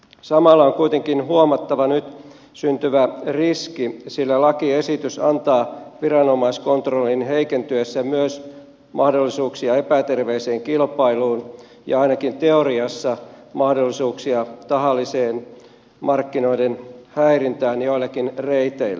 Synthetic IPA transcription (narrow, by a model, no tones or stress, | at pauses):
sɑmɑlːɑoŋkuit̪eŋkinhuomɑt̪ːɑʋɑnyt̪ | synt̪yʋæriskisilːælɑkiesit̪ysɑ̰nt̪ɑːʋirɑnomɑiskont̪rolːinheikent̪yøsːæmyøs | mʔɑhdolːisuːksiɑepæt̪erʋeiseːŋkilpɑiluːn | jɑ̰ɑinɑkint̪eoɾiɑsːɑmɑhdolːisuːksiɑt̪ɑhɑlːiseːn | mɑrkːino̞idenhæirint̪æːnjoilːɑkinreit̪eilːæ